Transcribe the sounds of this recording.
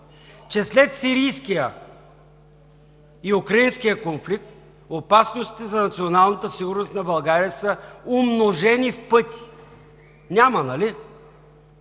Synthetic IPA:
t͡ʃɛslɛt̪siɾijskijə | iukɾɐinskijəkonflik̚t̪ | opasnost̪i̥t̪ɛzɐnɐt̪sionalˠnət̪əsiɡʊɾnost̪nɐbɐlˠɡaɾijəsəomnoʒɛnifpɤt̪i̥ | nʲamənɐli

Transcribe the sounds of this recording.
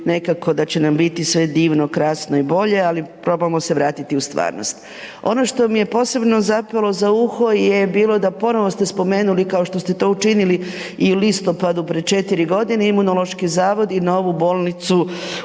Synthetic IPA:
ne̞kako̞d̪at͡ɕe̞nambit̪isʋe̞d̪iːʋnokɾaːsno̞ibo̞ʎe̞alipɾo̞bamo̞se̞ʋɾaːt̪it̪iust̪ʋa̰ːɾno̰st̪ | o̞̰no̞ʃt̪o̞mije̞po̞ːse̞bno̞zapalˠo̞zauxo̞jjebiːlo̞d̪apo̞noʋo̞st̪e̞spo̞meːnulikao̞ʃt̪o̞st̪e̞t̪o̞ːut͡ʃinili | iulist̪o̞pad̪upɾed̪̚t͡ʃe̞t̪iɾiɡo̞d̪ineimunolˠo̞ʃkizaːʋo̞d̪inaoʋubo̞ːlˠnit̪su

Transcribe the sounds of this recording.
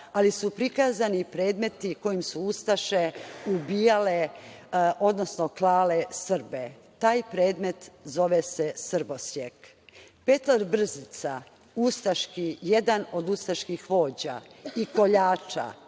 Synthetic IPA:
alisupɾikazanipɾe̞ːd̪me̞t̪iko̞jimsuust̪aʃe̞ubiːjale | o̞d̪no̞snoklaːlesr̩be | t̪aːjpɾe̞ːd̪me̞t̪zo̞ʋesesr̩bosjek | pe̞t̪laɾbr̩zit̪sa | ust̪aʃkijed̪ano̞d̪ust̪aʃkixʋo̞ːd͡ʑa̰iko̞ʎaːt͡ʃa̰

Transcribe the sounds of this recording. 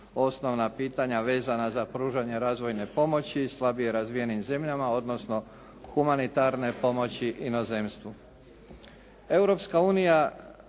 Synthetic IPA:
o̞sno̞ʋnapiːt̪aɲaʋe̞ːzanazapɾuːʒaɲe̞ɾaːzʋo̞jne̞po̞mo̞t͡ɕiːslˠabije̞ɾazʋije̞nimze̞mʎamao̞d̪no̞sno̞ | xumanit̪aɾne̞po̞mo̞t͡ɕiʔinoze̞mst̪ʋu | e̞wɾo̞pskauːnija

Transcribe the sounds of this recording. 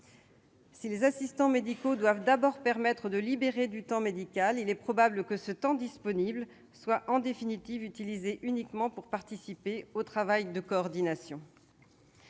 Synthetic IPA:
silezasist̪ɑ̃med̪ikod̪wavd̪abɔʁpɛʁmɛt̪χəd̪əlibeʁed̪yt̪ɑ̃med̪ikʲalilɛpχɔbabləkəsət̪ɑ̃d̪ispɔnibl | swaʔɑ̃d̪efinit̪ivyt̪ilizeʔynikmɑ̃puʁpaʁt̪isipeot̪χavajd̪əkɔːʁd̪inasjɔ̃

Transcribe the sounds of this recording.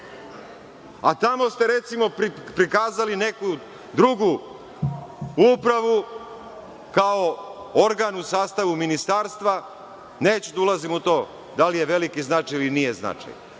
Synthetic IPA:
at̪amo̞st̪e̞ɾe̞t̪simo̞ppɾikaːzaline̞ku | d̪ɾuɡu | upɾaʋu | kao̞ | oɾɡaːnusaːst̪aʋuminist̪aːɾst̪ʋa | neːt͡ɕud̪aulˠazimut̪o̞ː | d̪alijeʋe̞likiznat͡ʃajilinijezna̰t͡ʃa̰j

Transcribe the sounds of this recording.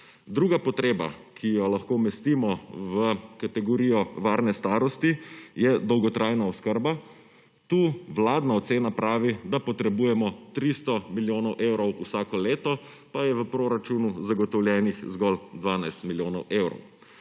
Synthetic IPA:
d̪ɾuːɡapɔt̪ɾeːba̰kʰijɔlaxkoːmɛst̪imɔʋəkat̪ɛɡɔɾiːjɔʋaːɾnɛst̪aːɾɔst̪ijɛd̪ɔwɡɔt̪ɾʔajnaɔskəɾba | t̪uːwlaːd̪naɔt̪seːnapɾaːʋid̪apɔt̪ɾɛbuːjɛmɔt̪ɾist̪ɔmiljoːnɔwʔewɾɔwusaːkɔleːt̪ɔ | pajɛʋəpɾoːɾat͡ʃunuzaɡɔt̪ɔwljɛːnixzɡɔld̪ʋaːnajst̪miljoːnɔwʔeːwɾɔ̰w

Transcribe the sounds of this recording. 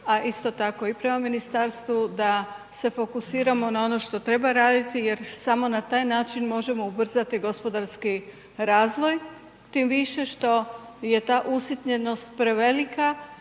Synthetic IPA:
aʔist̪o̞t̪ako̞ipɾe̞maminist̪aɾst̪ʋud̪a | se̞fo̞kusiːɾamo̞nao̞no̞ʃt̪o̞t̪ɾe̞baɾaːd̪it̪ije̞ɾsamo̞nat̪aːjnaːt͡ʃinmo̞ʒe̞mo̞ubr̩zat̪iɡo̞spo̞d̪aɾski | ɾaːzʋo̞j | t̪imʋiʃe̞ʃt̪o̞ | je̞t̪aːʔusit̪ɲe̞no̞st̪̚pɾe̞ʋe̞lika

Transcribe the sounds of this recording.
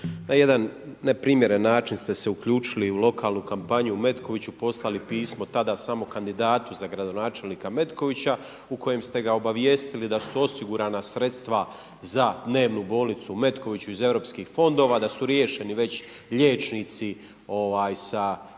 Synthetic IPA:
naje̞d̪anːepɾiːmje̞ɾenːaːt͡ʃinst̪e̞se̞ukʎuːt͡ʃiliulo̞kʰaːlˠnukampaɲume̞t̪kʰo̞ʋit͡ɕupo̞slalipiːsmo̞t̪ad̪aːsamo̞kand̪id̪aːt̪uzaɡɾad̪o̞naːt͡ʃe̞lniːkame̞t̪ko̞ʋit͡ɕa | uko̞je̞mst̪e̞ɡao̞baʋje̞ːst̪ilid̪asuo̞siɡuɾaːnasɾe̞t̪st̪ʋa | zad̪ne̞ːʋnubo̞ːlˠnit̪sume̞t̪ko̞ʋit͡ɕuize̞ʋɾo̞ːpskiːxfo̞nd̪o̞ːʋaːd̪asuɾjeʃe̞niʋe̞t͡ɕ | ʎe̞ːt͡ʃnit̪si | o̞ʋaːjsa

